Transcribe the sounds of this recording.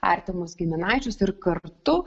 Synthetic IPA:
ɐ̰ɾʲt̪ʲɪmosɡʲɪmʲɪnɑɪt͡ʃʲʊsɪɾkɐɾt̪ʊ

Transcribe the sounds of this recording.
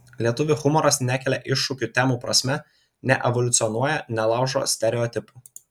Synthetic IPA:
lʲiɛt̪ʊʋʲɪxʊmɔɾɐsnʲækʲɛlʲɛʔɪʃːʊkʲut̪ʲɛmuːpɾɐsʲmʲɛ | nʲɛʔɛʋɔlʲʊt̪sʲɪɔnuɔjɛnʲɛlˠɑˑʊʒo̰ːsʲt̪ʲɛɾʲɛɔt̪ʲɪpuː

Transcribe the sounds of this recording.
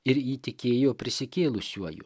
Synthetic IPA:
ɪɾiːt̪ʲɪkʲeːjoːpʲɾʲɪsʲɪkʲeːlˠʊsʲuɔjʊ̰

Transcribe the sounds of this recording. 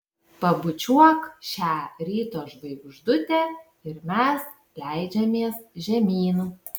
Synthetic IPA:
pɐbʊt͡ʃʲuɔkʃʲæːɾʲiːt̪oːʒbɐɪɡʊʒd̪ʊt̪ʲeː | ɪɾmʲɛs | lʲæɪd͡ʒʲɛmʲiɛsʒʲɛmʲiːnuː

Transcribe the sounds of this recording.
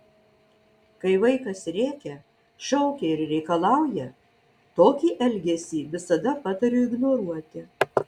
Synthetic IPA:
kɐɪʋɐɪkɐsɾʲeːkʲɛ | ʃʲɛʊkʲɛɪɾɾʲɛɪkɐlˠɑˑʊjɛ | t̪oːkʲiːʔɛlʲɡʲɛsʲiːʋʲɪsɐd̪ɐpɑt̪ɐɾʲuːɪɡnoːɾuɔt̪ʲɪ

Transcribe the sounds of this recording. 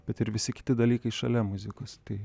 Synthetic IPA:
b̥ʲɛt̪ɪɾʋʲɪsʲɪkʲɪ̥t̪ʲɪd̪ɐlʲiːkɐɪʃɐ̰lʲɛmʊzʲɪkoːst̪ɐɪ

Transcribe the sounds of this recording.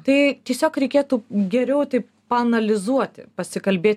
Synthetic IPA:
t̪ɐɪt̪ʲiɛsʲoːkɾʲɛɪkʲeːt̪uːɡʲɛɾʲɛʊt̪ɐɪp | pɐɐnɐlʲɪzuɔt̪ʲɪ̰pɐsʲɪkɐlʲbʲeːt̪ʲ

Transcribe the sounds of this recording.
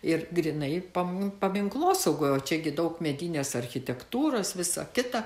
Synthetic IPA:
ɪrɡɾʲinɐɪpɐmpɐmʲɪŋklˠoːsɐʊɡoːjoːt͡ʃʲɛɡʲɪd̪ɐʊkmʲɛd̪ʲinʲeːsɐrʲxʲɪt̪ʲɛkt̪uːɾoːsʋʲɪsɐ̰kʲɪt̪ɐ

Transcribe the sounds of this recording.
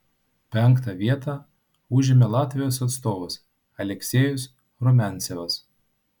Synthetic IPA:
pʲɛŋˑkt̪ɐʋʲiɛt̪ɑ | ʊʒʲɪmʲelˠɑːt̪ʲʋʲɪjoːsɐt̪st̪oːʋɐs | ɐlʲɛksʲeːjʊs | ɾɔmʲæˑnʲˑsʲeʋɐs

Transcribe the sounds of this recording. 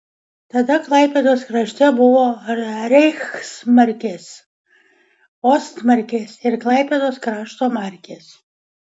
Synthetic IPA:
t̪ad̪aklˠajpʲeːd̪oːskɾaʃʲt̪ʲæbuʋɔːɾʲɛjxsmaɾʲkʲeːs | ɔst̪mɐɾʲkʲeːsɪɾklˠajpʲeːd̪oːskɾɑːʃt̪oːmaɾʲkʲeːs

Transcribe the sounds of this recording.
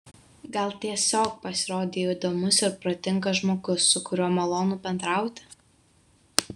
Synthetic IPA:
ɡɐlˠt̪ʲiɛsʲoːk̚pɐsʲɪɾoːd̪ʲeːjoid̪oːmʊsɪɾpɾɐt̪ʲɪŋkɐʒmoːɡʊsːʊkʊɾʲuɔmɐlˠoːnuːpʲɛnd̪ɾɑˑʊt̪ʲɪ

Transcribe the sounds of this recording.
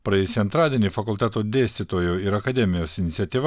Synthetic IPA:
pɾɐjɛeːsʲiɐnt̪ɾɑːd̪ʲeɛnʲiːfɐkʊlʲt̪ʲæt̪oːd̪ʲeːsʲt̪ʲit̪oːjoːɪɾɐkɐd̪ʲɛmʲɪjoːsɪnʲɪt̪sʲɛt̪ʲiːʋɐ

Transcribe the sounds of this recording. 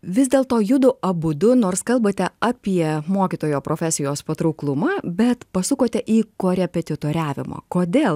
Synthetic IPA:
ʋʲɪzd̪ʲeːlˠt̪oːjʊd̪ʊʔɐbʊd̪ʊnoːɾskɐlˠbɐt̪ʲɛɑːpʲiɛmoːkʲit̪oːjoːpɾoːfʲæsʲɪjoːspɐt̪ɾɐʊklˠʊmɑːbʲɛt̪pɐsʊkoːt̪ʲɛʔiːkoːɾʲɛpʲɛt̪ʲɪt̪oːɾʲæːʋʲɪ̰mo̰ːkoːd̪ʲeːlˠ

